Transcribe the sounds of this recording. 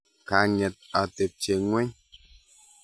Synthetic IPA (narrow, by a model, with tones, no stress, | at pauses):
ka˨˦ɲɛ˨t̚a˨te˨p̚t͡ʃe˨ŋwɛ˦ɲ